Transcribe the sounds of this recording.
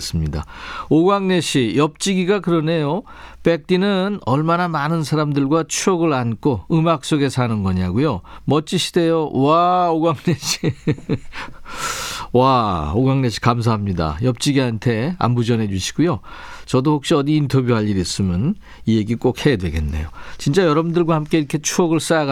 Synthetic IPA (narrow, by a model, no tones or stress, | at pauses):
s͈ɯmɲida̰oɡwaŋne̞ɕʰijʌp̚t͡ɕ͈iɡiɡakɯɾʌne̞jo | p͈e̞k̚t͈inɯnʌɭmanamanɯnsʰaɾamdɯɭɡwat͡ɕʰuʌɡɯɭank͈ʰoɯmak̚s͈oɡe̞sʰanɯnɡʌɲaɡujomʌt͡ɕ͈iɕʰi̥de̞jowaoɡwaŋneɕʰi | waoɡwaŋneɕʰi̥kams̬ʰaɦamɲida̰jʌp̚t͡ɕ͈iɡiɦantʰe̞a̰mbud͡ʑʌnɦe̞d͡ʑuɕʰi̥ɡ̥ujot͡ɕʌdohok̚ɕ͈iʌdiːntʰʌbjuɦaʎːiɾis͈ɯmjʌn | ije̞ɡik͈okhe̞dwe̞ɡe̞nːe̞̰jot͡ɕint͡ɕ͈ajʌɾʌbɯndɯɭɡwahamk͈e̞iɾʌkʰe̞t͡ɕʰuʌɡɯɭs͈ajaɡ